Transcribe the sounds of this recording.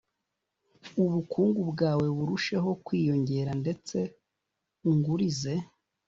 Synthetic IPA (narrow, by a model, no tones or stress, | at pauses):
uβukuːŋɡubɡaːwe̞βuɾuʃe̞ɦo̞kwiːjo̞ɲɟe̞ɾande̞t͡se̞ | uŋɡuɾize̞